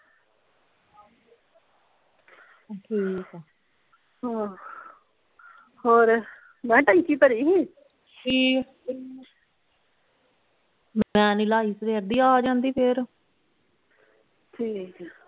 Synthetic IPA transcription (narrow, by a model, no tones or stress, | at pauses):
ʈʰiːk | ɦãː | hoːɾ | mɛ̃ːʈaikiːpəɾiːɦiː | d͡ʒiː | mɛ̃ːnɪlaːiːsɾeːəɾd̪iːaːd͡ʒãːnd̪iːpʰeɾ | ʈʰiːk